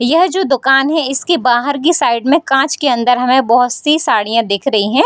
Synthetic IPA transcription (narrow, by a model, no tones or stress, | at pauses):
jɐɦd͡ʒoːd̪ʊkaːnɦɛ̃ɪskibaːɦəɾkisaːɪɖmẽkãːt͡ʃkeɐ̃nd̪əɾɦɐmẽbɐɦʊt̪sisaːɽijãd̪eːkʰɾɐɦiɦɛ̃ː